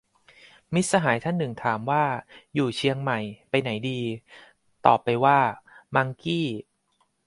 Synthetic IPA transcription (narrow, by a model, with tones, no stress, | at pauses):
mi˦˥t̪̚sa˧ɦaː˩˦jt̪ʰa˥˩nːɯ˨˩ŋt̪ʰaː˩˦mwaː˥˩juː˨˩t͡ɕʰi˧əŋma˨˩jpa˧jna˩˦jdiː˧ | t̪ɔ̰ː˨˩pːa˧jwaː˥˩ma˧ŋkiː˥˩